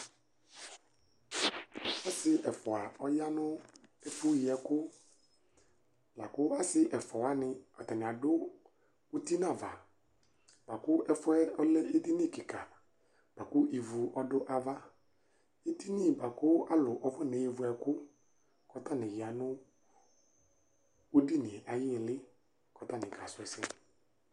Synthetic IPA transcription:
ɔ˦sɪ˦ʔɛ˨fɔ˨a˨ɔ˦ja˦nʊ˦e˦fʊ˦jɪ˨ɛ˨kʊ˦ | la˨kʊ˦a˦sɪ˦ʔɛ˨fɔ˨a˨˦nɪ˦ɔ˨tɛ˨nɪ̃˨a˨dʊ˦ | u˦ti˦nã˨va˨ | ba˨kʊ˦ɛ˨fʊ˦ɛ˦ɔ˦lɛ˦i˦di˦ni˦˨kɪ˨ka˨ | b̥a˨kʊ˦ʔi˨vu˨ɔ˦dʊ˦ʔa˦va˦ | i˦ti˦ni˦˨ba˨kʊ˦a˦lʊ˨ʔɔ˨fɔ˦˨ne˨ji˨vʊ˨ɛ˨kʊ˦ | kɔ˦ta˦˨nɪ̃˨ɣɪ˨a˨nʊ˦ | o˦di˦nɪ˨ɛ˨ʔa˨jɪ˦˨lɪ˦ | kɔ˨˦ta˦˨nɪ̃˨kʰa˨sʊ˨ɛ˨sɛ˦

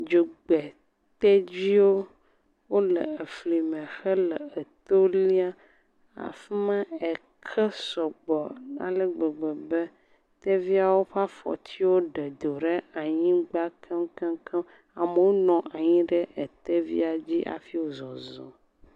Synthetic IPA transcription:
d͡ʒo˨ɡ͡be˨ | t̪e˦d͡ʑi˦wo˦ | wo˦lə̰˨e˨fli˨mɛ̃˨xə˦lə˨e˨t̪o˦li˦a˦ | a̰˨fi˦mã˦e˨ | kʰə˦sɔ˨ɡ͡bɔ˨nã̰˨lə˦ɡ͡bɛ˨ɡ͡bɛ˨bə˦ | t̪e˦vi˦a˨wo˦ɸa˦fɔ̰˨t͡ɕʰi˦wo˦ɖə˨d̪o˨ɖe˦a˨ɲĩ˦ɡ͡ba˦kʰə˦m˦kə̃˦kʰə˦ | a˨mə˨wo˦nɔ̃˨ʔa˨ɲĩ˦ɖɛ˦ʔe˨t̪e˦vḭ˦a˨d͡ʑi˦ʔa̰˨fi˦wo˦zɔ˨zɔ̰˨

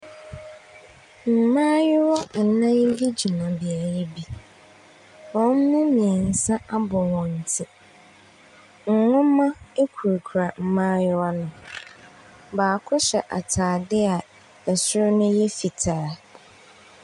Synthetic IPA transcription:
m̩˨mã˦jɪ˦wɔ˦˨nã˦je˦bi˦d͡ʑi˨mã˨bi˨a˨ɾe˦bi˦ | wɔ̃˨˦n̩˦mʊ̃˦mĩ˨ɛ˨n̩˨sã˦a˦bɔ˨wɔ̃˨n̩˨tʰɪ˦ | ŋ̩˨ŋʊ̃˦mã˦e˦kʰu˨ɾkʰu˨ɾa˨m̩˨mãː˦jɪ˦wɔ˦nʊ̃˨ | baː˨kʰʊ˦ɕɛ˨ʔa˨tʰaː˨dɪ˦a˨ | ɛ˨sʊ˦ɾʊ˦nʊ̃˦jɛ˦fi˨tʰaː˨˦

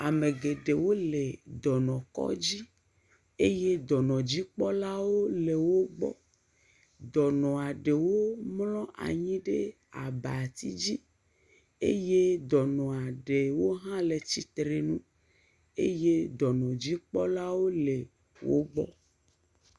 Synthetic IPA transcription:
a˨me˨ɡe˨ɖe˨wo˦le˨d̪ɔ˨nɔ̃˨kɔ̰˦d͡ʑi˦ | e˦je˦d̪ɔ˨nɔ̃˨d͡ʑi˦k͡pɔ˦la˦wo˦le˨wo˦ɡ͡bɔ̰˦ | d̪ɔ˨nɔ̃˨a˨ɖe˨wo˦mlɔ̃˦ʔa̰˨ɲĩ˦ɖe˦ | a̰˨ba˨a˨t̪i˦d͡ʑi˦ | ḛ˦je˦d̪ɔ˨nɔ̃˨a˨ɖe˨wo˦ɦã˦le˨t͡ɕi˦t̪ɾe˨nũ˦ | ḛ˦je˦d̪ɔ˨nɔ̃˨d͡ʑi˦k͡pɔ˦la˦wo˦le˨ | wo̰˦ɡ͡bɔ̰˦

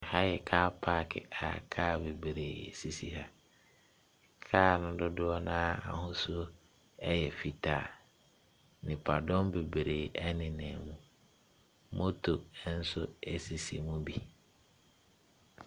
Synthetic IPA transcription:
ha˦jɛ˨kʰaː˦pʰaː˦˨kʰɪ̰˨a̰˨kʰaː˦˨be˨bɾeː˨si˨si˨ha˦˨ | kʰaː˦˨nʊ̃˦dʊ˦dʊ˦ɔ˦nãː˦a̰˨hʊ̃˦su˦o˦ | ɛ˦jɛ˨fi˨tʰa˨ | nɪ̃˨pʰa˨dɔ̃˦mbe˨be˨ɾeː˨ʔɛ˦nɪ̃˨nɛ̃˨mũ˦ | mʔo˦tʰo˨˦n̩˦sʊ˦ɛ˨si˨si˨mũ˦bi˦

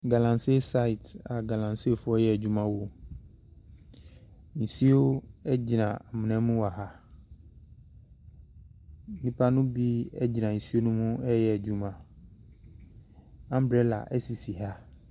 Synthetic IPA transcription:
ɡa˨lã˨nse˦˨sa˦i˨ta˨ɡa˨lã˨nsi˦e˦˨fʊ˦ɔ˦jɛ˦˨æ˨d͡ʑᶣu˦mã˦wo˨ | n̩˨si˦o˦ɛ˦d͡ʑi˨nã˨a˨mɪ̃˨nɛ̃˦mũ˦wa˨ɦa˦ | nĩ˦pʰa˦nʊ̃˦bi˦ɛ̰˦d͡ʑi˨nã˨n̩˨si˦o˦nʊ̃˦mʊ̃˦ɛ˦jɛ˨æ˨d͡ʑu˦mã˨ | ã˦m̩˦bɾɛ˦la̰˨ʔɛ˦si˨si˨ɦa˦

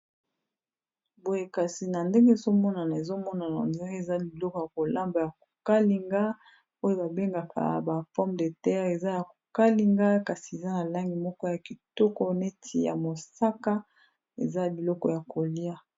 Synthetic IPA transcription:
bo˨je˨ka˨si˨na˨nde˦ŋɡe˦e˨zo˦mɔ˦na˨na˨e˨zo˦mɔ˦na˨na̰˨nza˦ɡe˦e˨za˦bi˨lɔ˦kɔ˨ja˨ko˨la˦mba˨ja˨ko˨ka˦li˨ŋɡa˦ | o˦jo˦ba˨be˦ŋɡa˨kʰa̰˨ba˨fɔ˦mde˨tɛ˦ʁe˨za˦ja˨ko̥˨ka˦li˨ŋɡa˦ka˨si˨e˨za˦na˨la˦ŋɡi˨mɔ˦kɔ˦ja˨ki˨tɔ˦kɔ˦ne˦tʰi˨ja̰˨mo˨sa˦ka˦ | ḛ˨za˦a˨bi˨lɔ˦kɔ̰˨ja˨ko˨li˦a˦

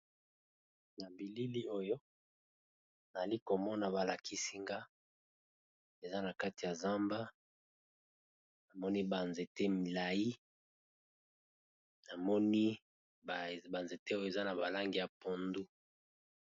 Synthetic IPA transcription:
na˨bi˨li˦li˦o˦jo˦ | na˨li˦ko˨mɔ˦na˨ba˨la˨kʰi˦si˦ŋɡa˦ | e˨za˦na˨ka˦ti˨ja˨za˦mba˦ | na˨mɔ˦ni˦ba˨nze˨te˦mi˨la˨ji˦ | na˨mɔ˦ni˦ | bba˨nze˨te˦o˦jo˦e˨za˦na˨ba˨la˦ŋɡi˨ja˨po˨ndu˦

